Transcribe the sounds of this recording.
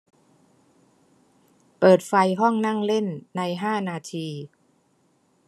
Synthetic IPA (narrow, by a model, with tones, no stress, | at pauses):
pɤː˨˩t̪̚fa˧jɦɔ˥˩ŋna˥˩ŋle˥˩nːa˧jɦaː˥˩naː˧t̪ʰiː˧